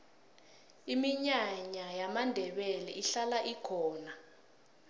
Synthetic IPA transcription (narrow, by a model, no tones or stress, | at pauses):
imiɲaɲajamandʱɛɓɛlɛʔiɬalaʔikʰɔːna